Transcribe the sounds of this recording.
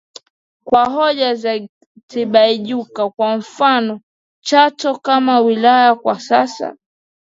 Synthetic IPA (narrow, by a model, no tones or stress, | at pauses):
kwaɦɔʄaza | tiɓaiʄukakwam̩fanɔ | t͡ʃatɔkamawilajakwasasa̰